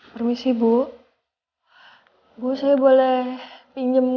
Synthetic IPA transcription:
pərmisibu | ɡusajabolɛhpiɲd͡ʒəm

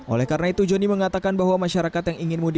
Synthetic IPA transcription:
ʔo̰lɛhkaɾnait̪ud͡ʒoniməŋat̪akanbaɦwamaʃaɾakat̪jaŋiŋɪnmudi

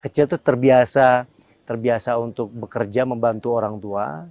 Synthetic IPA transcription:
kət͡ʃɪlt̪ut̪ərbiasa | t̪ərbiasaunt̪ʊk̚bəkərd͡ʒaməmbant̪uoɾaŋt̪ua̰

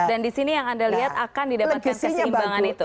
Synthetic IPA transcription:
dandisinijaŋandaliɦat̪akandidalamməɲimbaŋanit̪u

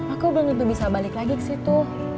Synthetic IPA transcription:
akubəŋət̪ubisabalɪklaɡikə̥siht̪ʊ

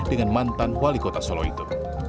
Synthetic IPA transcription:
d̥əŋanmant̪anwalikot̪asɔlɔ̰ḭt̪u

